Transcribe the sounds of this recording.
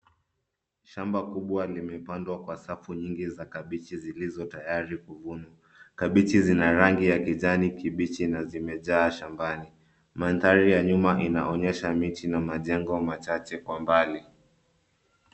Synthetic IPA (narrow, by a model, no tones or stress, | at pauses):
ʃambakuɓwalimɛpandwakwasafuɲiŋɡizakaɓit͡ʃizilizɔtajaɾikuvunwa | kaɓit͡ʃizinaɾaŋɡijakiʄanikiɓit͡ʃinazimɛʄaːʃambani | mantaɾijaɲumaʔinaʔɔɲɛʃamit͡ʃinamaʄɛŋɡɔmat͡ʃat͡ʃɛkwambali